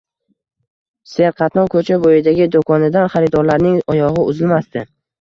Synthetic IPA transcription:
se̞ɾqʰɑt̪nɒkʰɵt͡ʃʰabojɪd̪aɡʲɪd̪okʰɒnɪd̪anχaɾɪd̪ɒɾlaɾnɪŋɒjɒʁɨʊzɪlmast̪ɪ

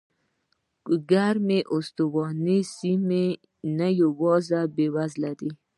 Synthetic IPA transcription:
ɡaɾmeʔʊst̪uwɔnisime | najawɔzabewazlaɾi

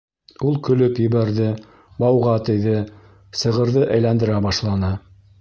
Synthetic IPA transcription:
ulˠkɵ̆lɵpjɘ̆βæɾðɘ | bɑwʁɑt̪ɘ̆jðɘ | sɤ̆ʁɤ̆ɾðɤʔæjlænd̪ɘ̆ɾæbɑʃlˠɑnɤ

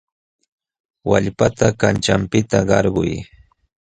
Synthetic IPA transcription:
wa̰ʎpat̪akant͡ʃampɪt̪aɢɑɾɢʊj

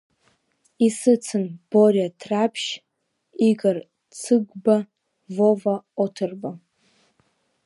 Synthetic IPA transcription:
isɨt͡sʰɨnb̥oratʰrapʰʃ | iɡar | t͡sʰɨɡʷba | vovaotʰɨrba

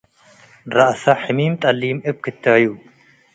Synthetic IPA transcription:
ɾɐʔsɐħɨmiːmt̪ʼɐlːiːmʔɨb̚kʰɨt̪ʰːɐju

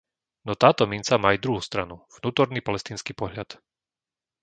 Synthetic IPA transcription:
nɔt̪aːt̪ɔmint͡samajd̪ɾuɦuːst̪ɾanuv̥nuːt̪ɔɾniːpalɛst̪iːnskiːpɔɦʎat̪

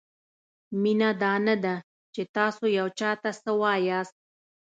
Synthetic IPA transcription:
minad̪ɑnad̪a | t͡ʃet̪ɑsojawt͡ʃɑt̪asəwɑjɑst̪̚

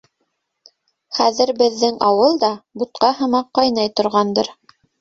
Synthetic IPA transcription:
χæðɘɾbɘ̆ðːɘŋɑwɤlˠd̪ɑbut̪̚qɑɦɤ̆mɑqːɑjnɑjt̪ŏɾʁɑnd̪ɤɾ

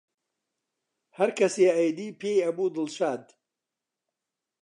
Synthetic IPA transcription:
hɐɾkʰɐseːɐjd̪iːpʰeːjɐbuːd̪ɨlʃaːd̪

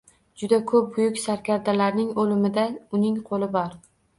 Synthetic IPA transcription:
d͡ʒʊd̪akʰɵp̚bʊjʊkʲsaɾkʲʰaɾd̪alaɾnɪŋolɪmɪd̪aʊnɪŋqʰolɪbɒɾ

